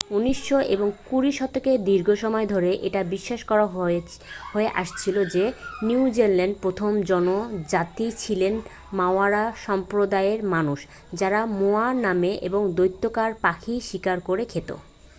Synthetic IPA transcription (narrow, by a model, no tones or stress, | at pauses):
uniʃːoʔḛboŋkuɾiʃɔt̪oked̪iɾɡʱoʃɔmɔed̪ʱoɾeʔeʈabiʃːaʃkɔɾa | hoeʔaʃt͡ɕʰilod͡ʑeniud͡ʑeɾlɛɳɖ̚pɾot̪ʰomd͡ʑɔnod͡ʑat̪it͡ɕʰilen | maoaɾaʃɔmpɾod̪aeɾmanuʃ | d͡ʑaɾamoanameʔḛboŋd̪ojt̪ːokaɾpakʰiʃikaɾkoɾekʰet̪o̰